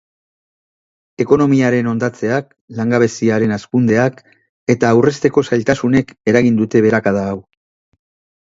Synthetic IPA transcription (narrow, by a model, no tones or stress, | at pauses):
e̞ko̞no̞miaɾe̞no̞nd̪at͡se̞ak̚ | laŋɡaβe̞siaɾe̞naskund̪e̞ak | e̞t̪aːwre̞st̪e̞ko̞sajlt̪asune̞ke̞ɾaɣind̪ut̪e̞βe̞ɾakaðaːw